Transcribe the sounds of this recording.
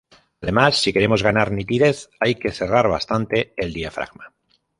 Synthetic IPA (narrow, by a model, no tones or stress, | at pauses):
aðe̞masːike̞ɾe̞mozɣ̞anaɾnit̪iðe̞θajke̞θe̞raɾβa̰st̪ant̪e̞ːld̪iafɾa̰ɣma